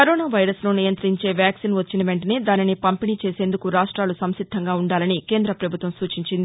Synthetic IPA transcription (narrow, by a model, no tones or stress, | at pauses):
kɐɾoːnaːʋɐjɾɐsnuːnijɐnt̪ɾiɲt͡ʃe̞ːʋjaːksinʋɐt͡ʃːinɐʋe̞ɳʈɐneːd̪aːninipɐmpinit͡ʃe̞ːseːnd̪ukuɾaːʂʈɾaːlusɐmʃid̪ʱːɐŋɡaːuɳɖaːlɐnike̞ːnd̪ɾɐpɾɐbʱut̪ʋɐmsuːt͡ʃiɲt͡ʃind̪i